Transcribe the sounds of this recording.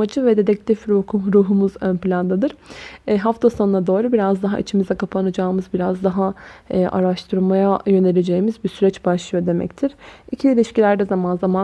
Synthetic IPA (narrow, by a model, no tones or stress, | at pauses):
ad͡ʒɯvɛd̪e̞d̪ɛc̚lʲifɾokʰuɾuːɦumuzønplʲand̪ad̪ɯɾ̥ɦaft̪ʰaso̞nnad̪o̞ːɾubiɾazd̪aɦa̰ʔḭt͡ʃʰimizɛkʰapʰanad͡ʒaːɯmɯzbiɾazd̪aɦaːʔa̰ɾaʃt̪ʰɯɾmajajø̞nelʲed͡ʒe̞jimizbisyɾɛt͡ʃbaʃlˠɯjo̞d̪e̞mɛ̰ct̪ʰiɾ̥icʰiilʲiʃcilʲæɾd̪ɛzamanzama